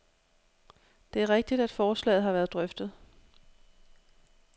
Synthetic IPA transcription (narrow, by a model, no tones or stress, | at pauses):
d̥e̝æɐʁeɡ̥̚d̥id̥æd̥fɒːslɛ̰ːð̩ˠɦɑ̈ʋæːɐðˠd̥ʁœfd̥ð̞̩ˠ